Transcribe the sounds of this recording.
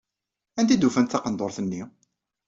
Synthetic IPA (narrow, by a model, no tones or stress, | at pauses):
ænt̪id̪ufænt̪θɑqənd̪oɾˤθənːi